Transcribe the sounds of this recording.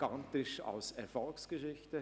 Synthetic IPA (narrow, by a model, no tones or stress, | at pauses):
ɡ̥antɪʃa̰lsɛɐfɔlksɡ̥əʃɪçtə